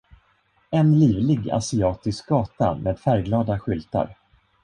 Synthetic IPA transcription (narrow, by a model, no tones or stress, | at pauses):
ɛnliːvlɪɡa̰sɪɑːt̪ɪsk̚ɡɑːt̪a̰mʔeːd̪̥fæɾɡlɑːd̪aɧʏlt̪a̰ɾ